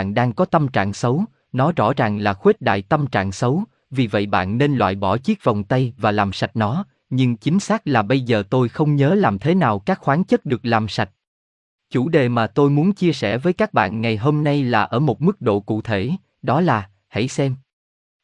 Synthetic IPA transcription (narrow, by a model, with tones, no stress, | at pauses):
nɗaː˧ŋkɔ˨˦t̪ə˧mt͡ɕa̰ː˧˨ŋsə˨˦w | nɔ˨˦zɔ̰˧˥˩za˨˩ŋlaː˨˩xwe˦˥t̚ɗa̰ː˧˨jt̪ə˧mt͡ɕa̰ː˧˨ŋsə˨˦w | vi˨˩və̰˧˨jɓa̰ː˧˨nːe˧nlwa̰ː˧˨jɓɔ˧˩t͡ɕi˦˥k̚va˨˩wŋ͡mt̪ə˧jvaː˨˩laː˨˩msa˨˩jt̚nɔ˨˦ | ɲɨ˧ŋt͡ɕï˨˦ŋ̟saː˦˥k̚laː˨˩ɓə˧jzəː˨˩t̪o˧jxə˧wŋ͡mɲəː˨˦laː˨˩mt̪ʰe˨˦naː˨˩wkaː˦˥k̚xwaː˨˦nt͡ɕə˦˥t̚ɗɨ˨˩ək̚laː˨˩msa˨˩jt̚ | t͡ɕu˧˩ɗe˨˩maː˨˩t̪o˧jmu˨˦ənt͡ɕi˧əsɛ̰˧˩vəː˨˦jkaː˦˥k̚ɓa̰ː˧˨nŋa˨˩jɦo˧mna˧jlaː˨˩ʔəː˧˩mo˨˩t̚mɨ˦˥k̚ɗo̰˧˨kṵ˧˨t̪ʰe˧˩ | ɗɔ˨˦laː˨˩ | ha̰˧˩jsɛ˧m